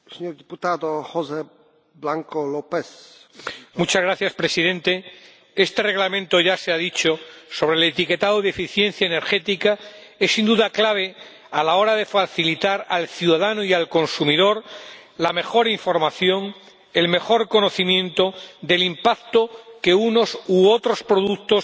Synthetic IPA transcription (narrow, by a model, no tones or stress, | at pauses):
seɲoɾd̪iput̪ad̪ohoze | blaŋkolopes | mut͡ʃazɣɾaθjaspɾesiðe̞nt̪e̞ | e̞st̪e̞re̞ɣlamẽ̞nt̪o̞ʝase̞aðit͡ʃo̞so̞β̞ɾelet̪ike̞t̪aðoðefiθje̞nθjaene̞ɾxe̞t̪ika | e̞sːind̪uðaklaβ̞e̞ | alao̞ɾaðe̞faθilit̪aɾalθjuðaðanoialko̞nsumið̞o̞ɾ | lame̞xo̞ɾiɱfo̞ɾmaθjo̞ŋ | e̞lme̞xo̞ɾko̞no̞θimjẽ̞nt̪o̞ðe̞limpak̚t̪oke̞uno̞suot̪ɾo̞spɾo̞ðuk̚t̪o̞s